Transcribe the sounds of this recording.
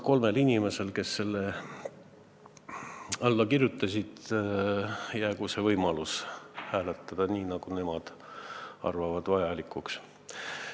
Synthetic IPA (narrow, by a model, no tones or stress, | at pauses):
ko̞lme̞linʲime̞se̞lke̞sːe̞lːe | ɑlːɑkirjut̪ːˑɑsʲid̪̥ | jæːɡ̥use̞vɤjmɑlushæːlet̪ːˑɑd̪̥ɑniːnɑɡ̥une̞mɑd̪̥ | ɑ̰rvɑvɑd̪vɑjɑlikːˑuks